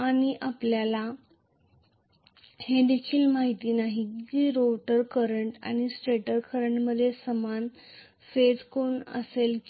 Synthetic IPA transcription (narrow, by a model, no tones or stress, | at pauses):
aɽ̃iʔapljala | hed̪ekʰiːlmaɦit̪inaɦid͡ʑiːɾoʈəɾkəɾəɳʈa̰ɽ̃isʈɾeʈəɾkəɾəɳʈməd̪ʱjesəman | fed͡zkonə̰selk